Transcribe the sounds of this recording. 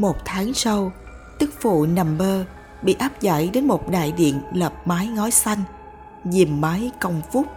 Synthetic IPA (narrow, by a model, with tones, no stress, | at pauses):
mo˨˩t̚t̪ʰaː˨˦ŋsa˧w | t͡ɕɨ˦˥k̚vṵ˧˨na˨˩mɓəː˧ | ɓḭ˧˨ʔaː˦˥p̚za̰˧˨˥jɗe˨˦nmo˨˩t̚ɗa̰ː˧˨jɗḭ˧˨ənləː˨˩p̚maː˨˦jŋɔ˨˦jsa˧jŋ̟ | zi˨˩mːaː˨˦jkə˧wŋ͡mfʊ˦˥k͡p̚